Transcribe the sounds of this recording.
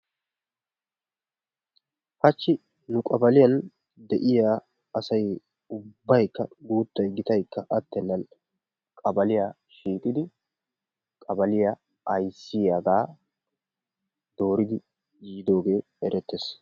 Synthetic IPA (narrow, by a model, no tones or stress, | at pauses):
hɐt͡ʃːɪ | nʊkʼɐbɐlɪjɐn | d̪ɛʔɪjaː | ɐsɐj | ʊbːɐjkːɐ̰ɡuːt̪ːɐjɡɪt̪ɐjkːɐʔɐt̪ːɛnːɐn | kʼɐbɐlɪjaː | ʃiːkʼɪd̪ɪ | kʼɐbɐlɪja | ɐjsːɪjaɡaː | d̪o̞ːɾɪd̪ɪ | jiːd̪o̞ːɡe̞ː | ɛɾʔɛt̪ːes